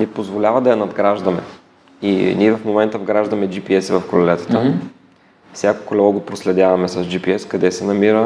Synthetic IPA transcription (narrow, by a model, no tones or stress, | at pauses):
nɛpozvolʲavɐd̪ɐjɐnɐd̪ɡɾaʒd̪ɐmɛ̰ | ḭniɛvɐfmomɛnt̪əvɡɾaʒd̪ɐmɛd͡ʒipiɛsɛvɐfkɾʊlɛt̪ə̥t̪ə | fsʲjako̥klɛvɡopɾoslɛd̪ʲjavɐmɛsɐsd͡ʒipiɛskɐd̪ɛsɛnɐmiɾə